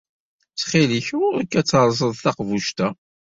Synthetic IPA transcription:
t͡sːχiliçukːæt͡sːəɾˤzˤəðˤθɑqvuʃt̪æ

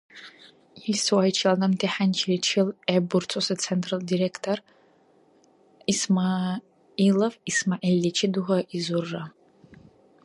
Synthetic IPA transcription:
iswajt͡ʃʰilanɐntʰeħant͡ʃʰilit͡ʃʰɪlebʊrt͡sʰosɨt͡sʰentʰʼraldiɾekʰtʰor | isma | ilɐvismaʔilːit͡ʃʰɪduɦʷaʔizurːa

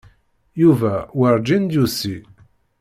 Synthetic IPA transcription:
juvæwəɾˤd͡ʒind̪jusi

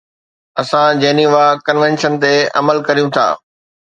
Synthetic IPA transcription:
ɐsãd͡ʑeːniʋakɐnʋɛ̃nʃənt̪eɐ̰məlkɐɾijũt̪ʰa̰ː

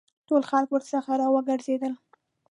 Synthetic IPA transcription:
tolxalkwəɾsəxaɾɑwəɡəɾzed̪əl

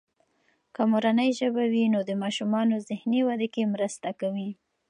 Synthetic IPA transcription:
kamoɾanəjʒəbawinod̪əmɑʃumɑnozɪhniwad̪ekemɾəst̪akawi

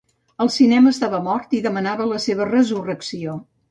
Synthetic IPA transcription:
əlˠsinɛməːst̪aβəmɔrt̪iðəmənaβələseβ̞ərəzurəksio

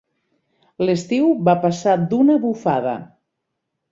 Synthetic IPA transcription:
ləst̪iwβapasad̪unəβufaðə̰

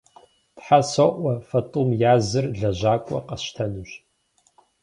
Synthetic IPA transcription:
tħasɐʔʷɐfɐtʼuːmjaːzɨrɮɐʑaːkʷʼɔ̰qʼɐɕtʰɐnɨɕ

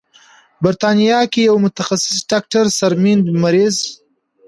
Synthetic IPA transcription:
bɪɾt̪ɑnijɑkejawmʊt̪axasɪ̥sɖɑk̚ʈaɾsaɾmind̪maɾiz

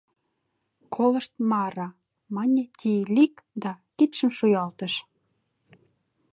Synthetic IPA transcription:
kʰolə̆ʃt̪̚mɑɾɑ | mɑnʲet̪ʲʰilikd̪ɑkit̪ʃə̆mʃujɑlt̪ə̆ʃ

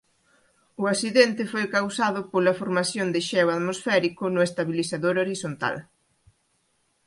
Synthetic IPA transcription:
ʊasiðɛnt̪ɪfojkawsaðʊpolɐfoɾmaθjond̪ɪʃɛwaðmosfɛɾikʊnʊest̪aβiliθaðoɾoɾisont̪a̰l

